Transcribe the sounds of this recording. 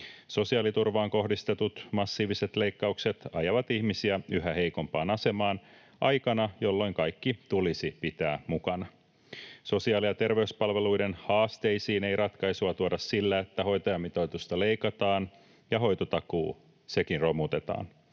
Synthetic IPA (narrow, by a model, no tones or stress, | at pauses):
so̞siɑːlit̪urʋɑːŋko̞ɦdist̪e̞t̪ut̪mɑsːiːʋiset̪leikːɑukse̞t̪ɑjɑʋɑt̪ihmisiæyɦæhe̞jko̞mpɑːnɑse̞mɑːn | ʔɑjkɑnɑjo̞lːo̞iŋkɑjkːit̪ulisipit̪æːmukɑnɑ | so̞siɑːliɑt̪e̞rʋe̞yspɑlʋe̞lujdenhɑːst̪e̞jsiːne̞jrɑt̪kɑjsuɑt̪uodɑsːilːæet̪ːæho̞jt̪ojɑmit̪ojt̪ust̪ɑle̞jkɑt̪ɑːn | jɑɦo̞jt̪ot̪ɑkṵː | se̞kinro̞mut̪e̞t̪ɑ̰ːn